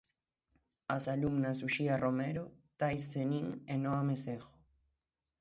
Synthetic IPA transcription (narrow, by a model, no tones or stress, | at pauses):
asalumnas̬uʃiaromeɾot̪ajsːeniŋenoamesexo̥